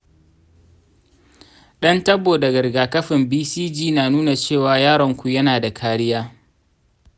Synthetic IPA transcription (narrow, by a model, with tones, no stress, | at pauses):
ɗɐ˦ntɐ˦boː˨dɐ˨ɡɐ˨ɽɡaː˨kɐ˦ɸɪ˨mbiː˦siː˦d͡ʒiː˦naː˨nuː˦na˨t͡ʃeː˦˨waː˨jaː˦ɽɔ˨ŋkʷu˨jɐ˦naː˨da˨kʰaː˦ɽɪ˦jaː˦